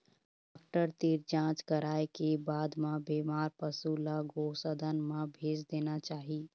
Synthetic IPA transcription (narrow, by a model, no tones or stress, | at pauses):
aːk̚ʈəɾt̪iɾd͡ʒãːt͡ʃkəɾaːekebaːd̪mẽbeːmaːɾpəsulaɡosəd̪ʱənmẽbʱeːd͡ʒd̪eːnat͡ʃaːɦi